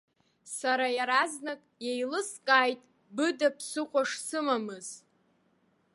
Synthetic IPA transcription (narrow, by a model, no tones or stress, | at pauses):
saɾajaɾaznakʼjejlɨskʼaːjtʼ | bɨdapʰsɨqʷʼaʂsɨmamɨz̥